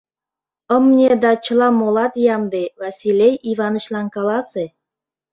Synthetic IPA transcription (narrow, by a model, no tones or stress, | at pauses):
ə̆mnʲed̪ɑt͡ɕə̆lɑmolɑt̪jɑmd̪evɑsʲilʲejiβɑnə̆ɕlɑnkɑlɑse